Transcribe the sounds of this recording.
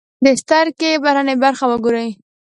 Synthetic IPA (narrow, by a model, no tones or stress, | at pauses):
d̪əst̪aɾkebaɾanebaɾxawəɡoɾəj